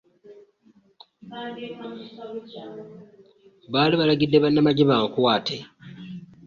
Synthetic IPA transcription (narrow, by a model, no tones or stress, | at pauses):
βaːliβalaɡidːe̞βanːamaɟeβaŋkwaːte